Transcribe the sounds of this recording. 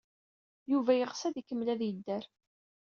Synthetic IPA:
juvæjəʁsæðikəmːlæðjəd̪ːæɾ

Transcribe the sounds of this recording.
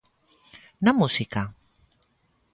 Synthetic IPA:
namusika

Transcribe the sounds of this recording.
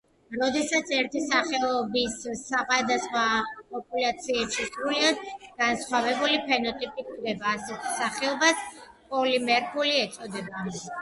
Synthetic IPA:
ɾɔd̪ɛsat̪sʰɛɾt̪ʰisaχɛɔbisaχʼad̪asχwapʼɔpʼulat̪sʰiɛpʃisʼɾuliad̪ɡ̥ansχwavɛbulipʰɛnɔt̪ʼipʼiɡɛbaːsɛt̪ʰsaχɛɔbaspʼɔlimɛɾpʰuliɛt̪sʼɔd̪ɛba

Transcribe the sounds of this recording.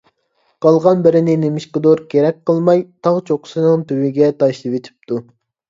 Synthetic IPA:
qʰɑlˠʁɑnbɪɾɪnɪnemiʃqəd̪oɾkʲʰeɾɛk̚ʲqəlˠmɑjt̪ʰɑʁt͡ʃʰoqʰʊ̥sɨnɨŋt̪ʰywɪɡʲɛt̪ʰɑʃlˠɨwet̪ʰi̥p̚t̪ʰu

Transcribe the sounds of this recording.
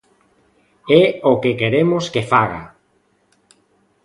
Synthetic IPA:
ɛokekeɾemoskefaɣa̰

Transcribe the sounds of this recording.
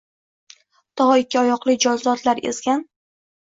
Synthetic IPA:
t̪ʰɒɦɒɪkʲʰːɪɒjɒqlˠɪd͡ʒɒzlɒt̪ʰlaɾḛzɡʲan

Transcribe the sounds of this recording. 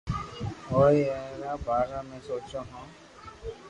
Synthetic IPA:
oiɛːɾabaːɾamẽsoːt͡ʃoɦɔ̃

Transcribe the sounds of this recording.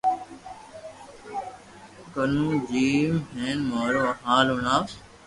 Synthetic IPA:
kənũːd͡ʒiːmɦeːnmaːɾoːɦaːlunaː

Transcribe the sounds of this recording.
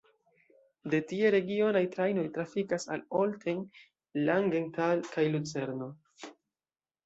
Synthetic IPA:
de̞tie̞ɾe̞ɡio̞najtɾajno̞jtɾafikasaloltʰeŋ | laŋɡe̞ŋtalkajlut͡se̞ɾno̞

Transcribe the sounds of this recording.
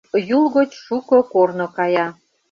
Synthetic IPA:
julɣot͡ɕʃukokornokɑjɑ

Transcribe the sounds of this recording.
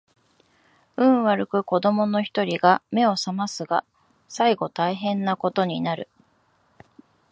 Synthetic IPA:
ɯ̟̃ɰ̃βaɾɯ̟kɯ̟ko̞d̪o̞mo̞no̞çi̥t̪o̞ɾʲiɡame̞o̞samasɨɡa | saiɡo̞t̪aiɦẽ̞nːako̞t̪o̞ɲ̟inaɾɯ̟̰

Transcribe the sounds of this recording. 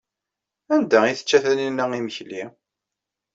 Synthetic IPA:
ænd̪æiθə̥t͡ʃːæθæninːəiməçli

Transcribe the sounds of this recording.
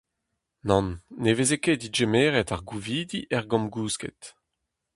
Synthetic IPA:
nɑ̃nːevezeked̪iʒemeːʁetaʁɡuviːd̪iʔɛʁɡɔ̃mɡuːskḛt̪

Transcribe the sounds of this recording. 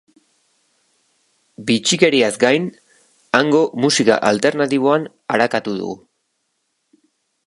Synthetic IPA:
bit͡ʃike̞ɾiazɡajn | aŋɡo̞musika̰ʔalt̪e̞ɾnat̪iβ̞o̞an | aɾakat̪uðṵɣṵ

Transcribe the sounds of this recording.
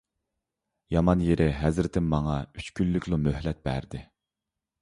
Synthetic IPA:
jɑmɑnjeɾʔɪɦɛzɾɪt̪ʰɪmːɑŋɑyt͡ʃkʲylːykʲlˠumøhlɛt̪̚b̥æ̰ɾd̪ɪ

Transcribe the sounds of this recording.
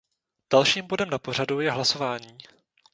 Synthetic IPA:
d̥alʃiːmbo̞dɛmnapo̞r̝adujɛɦlaso̞vaːɲiː

